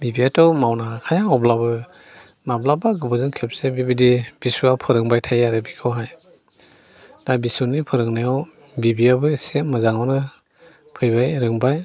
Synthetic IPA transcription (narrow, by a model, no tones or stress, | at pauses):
bibiatɔwmawnakʰajaɔblabɯ | nablabaɡɯbɔzɯnkʰep̚sebibidib̥isuapʰɯɾɯŋbajtʰajaɾɯbikʰɯwɦaj | d̥abisunipʰɯɾɯŋnajaw | bibiabɯsemɯzaŋɔnɯ | pʰɯjbajɾɯŋbaj